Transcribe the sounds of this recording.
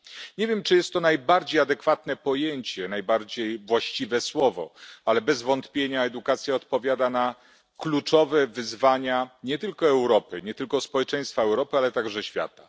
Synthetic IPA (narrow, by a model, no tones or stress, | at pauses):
ɲevʲjɛmt͡ʂɨjɛst̪ːɔnajbaɾd͡ʑejad̪ɛkfat̪nɛpɔjeɲt͡ɕɛnajbaɾd͡ʑejvwaɕt͡ɕivɛswɔvɔ̰alɛbɛzvɔnt̪pʲjeɲaɛd̪ukat̪sʲjaɔt̪pɔvʲjad̪ana | klut͡ʂɔvɛvɘzvaɲaɲɛt̪ɘlkɔɛwɾɔpɘɲɛt̪ɘlkɔspɔwɛt͡ʂɛj̃st̪faɛwɾɔpɘalɛt̪aɡʐɛɕfʲja̰t̪a